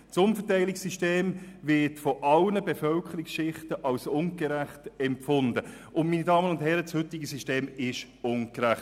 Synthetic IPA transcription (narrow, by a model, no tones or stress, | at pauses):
sʊnfətæɪlɪksiʃteːmvɪɐtfɔʔɑlnəbefœlkʰəɾɪksʃɪχtəʔɑlsʊnɡəɾæχtɛmpfʊndə | ʊnmiːnidɑːmənʊndhɛɾəshʏtɪɡəsiʃteːmɪʃ | ʊnɡɾæχt